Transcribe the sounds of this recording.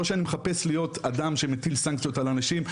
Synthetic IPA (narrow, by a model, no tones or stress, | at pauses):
oʃeanimeχape̞slijo̞tadamʃe̞metilsaŋkt͡sijo̞talanaʃim